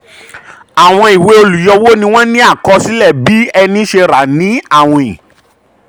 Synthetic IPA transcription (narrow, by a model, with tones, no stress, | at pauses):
a˨w̃ɔ̃˧i˨we˧o˧lu˨jɔ˧wo˦nĩ˧w̃ɔ̃˦nĩ˦a˦˨kɔ˧˦si˦lɛ˦˨bi˨˦ɛ˧nĩ˦ʃe˧ɾa˨nĩ˨˦a˦˨w̃ɔ̃˧ĩ˨